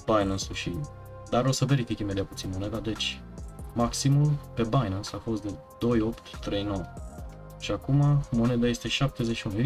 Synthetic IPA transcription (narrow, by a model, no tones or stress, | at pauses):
b̥ajnɨnsuʃi | d̪aɾo̞səve̞ɾifʲikʲimed̪eijaput̪sinmo̞ne̞d̪ad̪e̞t͡ʃʲ | maksimulpe̞bajnənsafo̞st̪̚d̪e̞ | d̪̥o̞jo̞pt̪ːɾe̞jno̞wə | ʃiakumamo̞ne̞d̪aje̞st̪e̞ʃap̚t̪e̞zeʃiunu